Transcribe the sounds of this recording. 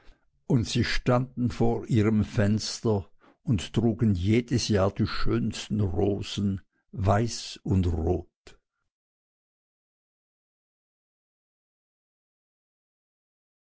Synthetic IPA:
ʔʊntz̥iːʃtandn̩foːʔiːʁəmfɛnstɐ | ʊnttʁ̥uːɡən̩jeːdəsjaːɐdiːʃøːnstn̩ʁoːzn̩ | vaɪsʊntʁoːt

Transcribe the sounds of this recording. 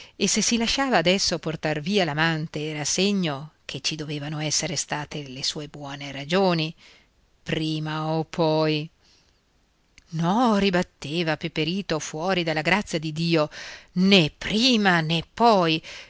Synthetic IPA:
esːesːilaʃːaːvaːd̪ɛsːoport̪arviːalamant̪eːɾaseɲːokʰet͡ʃːid̪oveːvanoɛsːeɾest̪aːt̪elesuːebwɔːneɾad͡ʒoːni | pɾiːmaopʰːɔj | nɔribat̪ːeːvapepeɾiːt̪ofwɔːɾid̪alːaɡɾat̪sːjad̪id̪iːonepːɾiːmanepːɔj

